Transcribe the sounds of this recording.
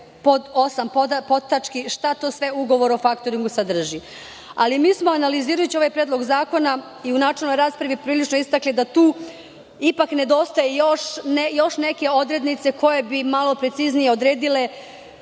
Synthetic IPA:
pod̪o̞sampod̪apo̞t̪ːat͡ʃkiʃt̪at̪o̞ːsʋe̞uɡo̞ʋo̞ɾo̞fakt̪o̞ɾiŋɡusad̪r̩ʒi | alimiːsmo̞analiziːɾajut͡ɕio̞ʋajpɾeːd̪lo̞ɡzaːko̞na | iunaːt͡ʃelnojɾaːspɾaʋipɾiːlit͡ʃnoist̪aklid̪at̪uː | ipakne̞d̪o̞ːst̪ajejo̞ʃnejo̞ʃne̞ke̞o̞d̪ɾe̞d̪nit̪seko̞je̞bimalo̞pɾe̞t̪siznije̞o̞d̪ɾe̞ːd̪ile̞

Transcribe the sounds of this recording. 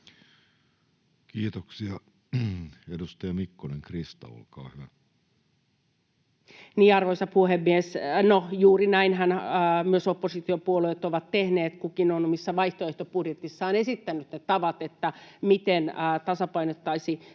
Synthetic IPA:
kiːt̪oksiɑ | edust̪ɑjɑmikːoneŋkrist̪ɑ̰o̰lkɑ̰ːhyʋæ | niːɑrʋoisɑpuhemːiesnojuːrinæinhænmyøsopːosit̪iopuoluet̪oʋɑt̪tehneːt̪kukinonomisːɑʋɑiht̪oeht̪opudjet̪isːɑːnesit̪ːænyt̪net̪ɑʋɑt̪et̪ːæmit̪enːt̪ɑsɑpɑinot̪ːɑisi

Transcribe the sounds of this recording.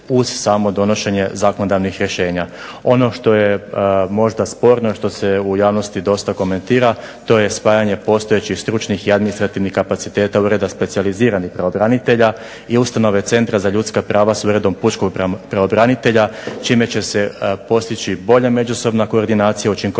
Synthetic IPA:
uzsaːmo̞d̪o̞no̞ʃe̞ɲe̞zako̞nod̪aʋnixɾjeʃe̞ːɲa | o̞no̞ʃt̪o̞je̞mo̞ʒd̪aspo̞ɾno̞iʃt̪o̞se̞ujaːʋno̞st̪id̪o̞st̪ako̞me̞nt̪iːɾa | t̪o̞je̞spaːjaɲe̞po̞st̪o̞jet͡ɕixst̪ɾut͡ʃnixiad̪minist̪ɾat̪iʋnihkapat̪sit̪e̞ːt̪auɾed̪aspe̞t̪sializiːɾanixpɾaobɾanit̪e̞ʎa | iust̪ano̞ʋe̞t̪se̞nt̪ɾazaʎut̪skapɾaːʋasuɾe̞d̪o̞mput͡ʃkoɡppɾaobɾanit̪e̞ʎat͡ʃime̞t͡ɕe̞se̞po̞st̪it͡ɕibo̞ʎame̞d͡ʒuso̞bnako̞ːɾd̪inaːt̪sijaut͡ʃiŋko

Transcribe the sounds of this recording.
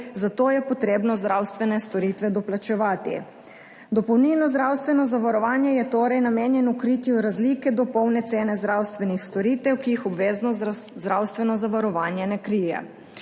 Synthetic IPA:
zat̪oːjɛpɔt̪ɾeːbnɔzd̪ɾawst̪ʋɛnɛst̪ɔɾiːt̪ʋɛd̪ɔplat͡ʃɛʋaːt̪ḭ | d̪ɔpɔwninɔzd̪ɾawst̪ʋɛnɔzaʋaɾɔʋaːnjɛjɛt̪oːɾɛjnameːnjɛnukɾiːt̪iuɾazlikɛd̪ɔpɔwnɛt̪seːnɛzd̪ɾawst̪ʋɛnixst̪ɔɾiːt̪ɛwkijixɔbʋeːznɔzd̪ɾawst̪ʋɛnɔzaʋaɾɔʋaːnjɛnɛkɾijɛ̰

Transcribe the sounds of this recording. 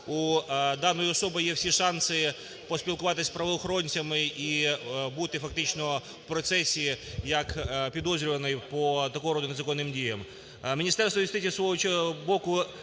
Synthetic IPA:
ud̪ɑnːɔjiɔsɔbɐjɛwsʲiʃɑnsɪ | pɔspʲilˠkʊʋɑt̪ɪsʲpɾɐʋɪlˠɔxɾɔnʲt͡sʲɐmɪibut̪ɪfɐk̚t̪ɪt͡ʃnɔ | wpɾɔt̪sɛsʲijɐkpʲid̪ɔzʲɾʲʊʋɐnɪjpɔt̪ɐkɔɦɔɾɔd̪ʊnezɐkɔnːɪmdʲijɐm | mʲinʲist̪ɛrst̪ʋɔjist̪ɪtʲisʋɔɦɔt͡ʃɛɔbɔkʊ

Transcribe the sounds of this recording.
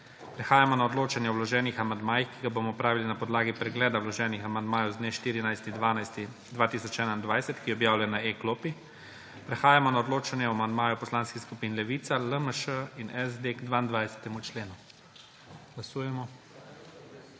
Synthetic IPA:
pɾɛxaːjamɔnaɔd̪loːt͡ʃanjɛɔwlɔʒɛːnixamand̪maːjixkiɡaboːmɔpɾaːʋilinapɔd̪laːɡipɾɛɡlɛːd̪awlɔʒɛːnixamand̪maːjɔwzd̪neːʃt̪iːɾinajst̪id̪anajst̪i | d̪ʋaːt̪isɔt͡ʃɛːnaind̪ʋajsɛt̪kijɛɔbjaːwlajnaekloːpi | pɾɛxaːjamɔnaɔd̪loːt͡ʃanjɛɔamand̪maːjɔwpɔslaːnskiskupiːnlɛʋiːt̪saləməʃəinʔɛzd̪eɡd̪ʋaːind̪ʋajsɛ̥t̪ɛmut͡ʃleːnu | ɡ̥lasuːjɛmɔ

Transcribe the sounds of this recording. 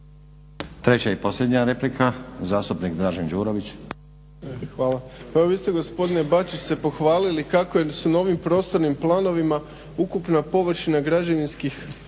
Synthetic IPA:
t̪ɾet͡ɕaipo̞slʎʲed̪ɲaɾeplikʰazaːst̪upnikd̪ɾaːʒend͡ʒuːɾoʋit͡ɕ | xʋaːlˠaeʋoʋist̪e̞ɡo̞spo̞d̪ine̞bat͡ʃise̞po̞xʋaːlilikakojesunao̞ʋimpɾo̞ːst̪o̞ɾnimplˠaːno̞ʋima | ukupnapo̞ʋr̩ʃinaɡɾad͡ʑaʋinskix

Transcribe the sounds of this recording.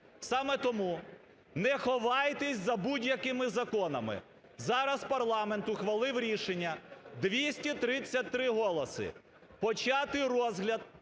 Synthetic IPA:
sɑmɛt̪ɔmu | nɛxɔʋɑjt̪ɪsʲzɐbudʲjɐkɪmɪzɐkɔnɐmɪ̰ | zɑɾɐspɐrlˠɑment̪ʊxʋɐlˠɪwɾʲiʃenʲːɐd̪ʋʲisʲtʲit̪ɾɪt͡sʲːɐt̚ʲt̪ɾɪɦɔlˠɔsɪ̰ | pɔt͡ʃɑt̪ɪɾɔzɦlʲɐd̪̚

